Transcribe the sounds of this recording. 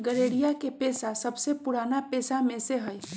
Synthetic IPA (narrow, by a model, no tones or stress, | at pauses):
ɡəɾeːɽijakepeːsasəbsepʊɽaːnapeːsamẽseɦəj